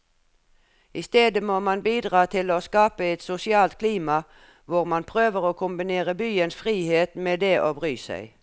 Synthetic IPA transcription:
ʔɪst̪eːd̪əmoːmɑnbiːd̪ʁɑːt̪ʰɪloːskɑːpəɛt̪sʊsɪɑːlt̪̚kʰliːmɑ | ʋʊʁmɑnpʰʁøːʋəʁoːkʰʊmbɪneːʁəbyːənsfʁiːheːt̪meːd̪eːʔoːbʁyːsæ̰ɪ

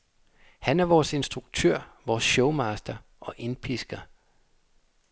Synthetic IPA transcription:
hænæɐʋɒːse̝nsd̥ʁuɡ̥̚t͡sʰøɐ̰ʋɒːsɕɔʊmɑːsd̥ɐʔɒ̽ʔe̝npʰisɡ̥ɐ

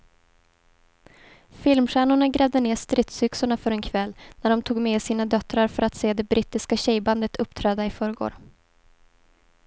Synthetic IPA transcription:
fɪlmɧæːɳʊɳaɡɾɛːvd̪əneːʂt̪ɾɪt̪sʏksʊɳafœɾɛnkʰvɛlːnæɖɔmt̪ʰuːɡmɛːsiːnad̪œt̪ɾaɾfœɾat̪seːd̪ɛbɾiːt̪ːɪskaɕɛjband̪ət̪ʰɵpːt̪ʰɾɛːd̪aɪfœːɾəɡo̰ːɾ

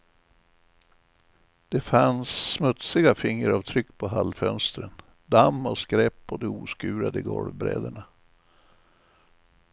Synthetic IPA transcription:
d̪̥ɛfansːmɵt̪sɪɡafɪŋːəɾavt̪ʰɾʏkːpʰɔɦalfœnst̪ɾən | d̪amːɔskɾɛpːɔd̪ɛuːskʉ̟ːɾad̪əɡɔ̰lvbɾɛ̰ːd̪əɳa

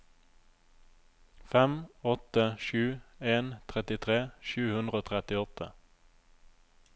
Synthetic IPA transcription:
fɛmɔt̪əʃʉːeːnt̪ʰʁɛt̪ɪt̪ʰʁeːʃʉːhʉnd̪ʁəoːt̪ʰʁɛt̪ɪɔt̪ʰə

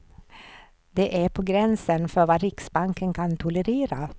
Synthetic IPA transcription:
d̪̥ɛʔæɾpʰɔːɡɾɛnsənfœɾvaɾɪksbaŋkənkʰant̪ʰʊləɾeːɾa̰

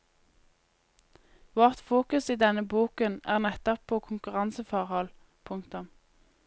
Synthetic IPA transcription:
ʋoːʁt̪fuːkʉsiːd̪ɛnəbuːkənæːʁnɛt̪ɔpʰːoːkʰʊŋkʉʁɑnsəfɔʁhɔl | pʰʊŋk̚t̪ʉm

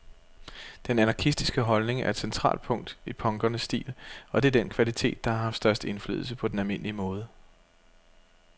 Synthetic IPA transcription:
d̥enænɑ̈kʰisd̥isɡ̥əɦɒ̽lne̝ŋæɐed̥sent͡sʰʁɑ̰̈ːld̥̚pʰɔ̽ŋ̰d̥ipʰɒ̽ŋɡ̥ɐnəsːd̥ḭːlɒ̽d̥e̝æɐd̥en̰kʰʋælit͡sʰe̝̰ːd̥̚ːɑ̈hɑ̈ɦɑ̈fd̥sd̥ɶɐsd̥əe̝nfly̰ːðˠl̩səpʰɒ̽d̥enælme̝n̰əliəmɔ̽ːð̞ˠə

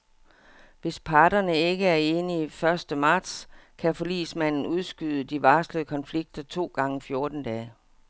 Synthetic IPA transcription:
ʋe̝spʰɑ̈ːdɐnəe̝ɡ̥əæɐe̝ːniifɶɐsd̥əmɑ̈ːd̥skʰæfɒ̽lḭːsmæn̰n̩uð̞ˠsɡ̥yð̞ˠəd̥iʋɑ̈ːsləəkʰɒ̽nfliɡ̥̚d̥ɐt͡sʰo̝̰ːɡ̥ɑ̈ŋəfjo̝ɐd̥n̩d̥ɛː

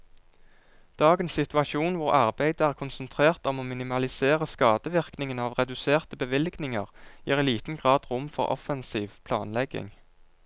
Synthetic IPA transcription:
d̪̥ɑːɡənsɪt̪ʰʉɑʃuːnʋʊʁɑʁbæɪd̪əæːʁkʰʊnsənt̪ʰʁeːʁt̪ɔmoːmɪnɪmɑlɪseːʁəskɑːd̪əʋɪʁknɪŋənɑːʋʁɛd̪ʉseːʁt̪əbəʋɪlɡnɪŋəʁjiːʁiliːt̪n̩ɡʁɑːd̪ʁʊmfɔ̰ʁɔ̰fənsiːʋpʰlɑ̰ːnlɛɡɪ̰ŋ

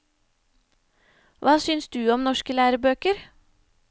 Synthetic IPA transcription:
ʋɑːsʏnsd̪ʉːɔmnɔʃkəlæːɾəbøːkəɾ

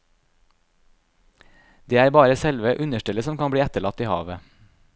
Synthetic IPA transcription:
d̪̥eːæːɾbɑːɾəsɛlʋəʔʉnəʃʈɪləsɔmkɑnbɽiːæt̪əɭɑt̪iːhɑ̰ːʋə

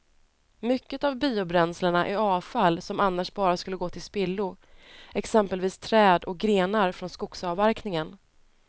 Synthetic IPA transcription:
mʏkːət̪avbiːʊbɾɛnsləɳaʔæɾɑːvfalːsɔmanːaʂbɑːɾaskɵlːəɡoːt̪ʰɪlspɪlːʊɛksɛmpəlviːst̪ʰɾɛːd̪ɔk̚ɡɾeːnaɾfɾɔnskʊksɑvvæɾknɪŋən

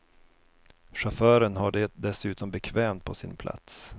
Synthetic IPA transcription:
ʂafœːɾənɦaɖɛd̪ɛsʉ̟ːt̪ɔmbɛkʰvɛːmt̪̚pʰɔsɪnpʰlʔa̰t̪s

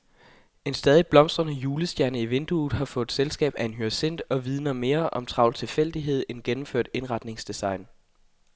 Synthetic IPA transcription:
e̝nsd̥ɛːð̞ˠib̥lɒ̽m̰sd̥ʁɐnəjuːləsd̥jæɐnəiʋe̝nd̥uːðˠɦɑ̈fɔ̽ːð̥ˠselsɡ̥ɛ̰ːb̥æe̝nɦyɐse̝n̰d̥ɒ̽ʋið̞ˠnɐme̝ːɐʔɒ̽mt͡sʰʁɑ̈ʊlt͡sʰe̝lfel̰d̥iɦe̝ð̞̰ˠenɡ̥enm̩føɐ̰d̥e̝nʁɑ̈d̥ne̝ŋsd̥isɑ̈ɪn

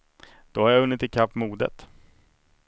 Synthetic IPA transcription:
d̪̥ɔhaɾjaɵnːɪt̪ːɪkʰapːmuːd̪ə̰t̪

